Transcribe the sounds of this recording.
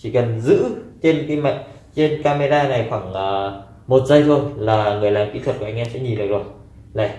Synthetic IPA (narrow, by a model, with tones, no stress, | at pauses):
t͡ɕi˧˩kə˨˩nzɨ̰˧˥t͡ɕe˧nkaː˨˦jma̰˧˨ŋ̟ | t͡ɕe˧nkaː˧me˧ɾaː˧na˨˩jxwaː˧˩ŋʔəː˨˩ | mo˨˩t̚zə˧jt̪ʰo˧jlaː˨˩ŋɨ˨˩əjlaː˨˩mkḭ˧˥t̪wə˨˩t̚kːŋ̟ʔɛ˧msɛ̰˧˥ɲi˨˩ɗək̚zo˨˩j | la˧˩